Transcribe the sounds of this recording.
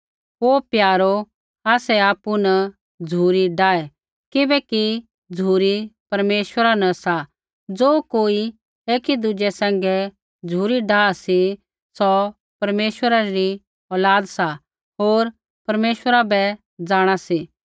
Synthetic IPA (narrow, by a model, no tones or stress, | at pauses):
oːpjaːɾo | aːsɛaːpunɐ | d͡zʱuːɾiɖaːɛ | kɪbɛki | d͡zʱuːɾipɐɾmeːʃwəɾanɐsa | d͡zoːkoːi | eːkid̪ʊd͡ʒɛsɛ̃ːŋ̆ɡɛ | d͡zʱuːɾiɖaːsi | sɔ | pɐɾmeːʃwəɾaɾi | ɔːlaːd̪sa | ɦoːɾ | pɐɾmeːʃwəɾabɛ | d͡zaːɽ̃asi